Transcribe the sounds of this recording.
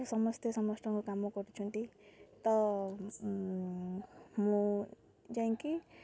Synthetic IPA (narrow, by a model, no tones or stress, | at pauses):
sʌmʌst̪esʌmʌsʈʰʌŋkokamːɔkɔɾit͡sʰũnt̪it̪ʌ | mũ | d͡zaiŋki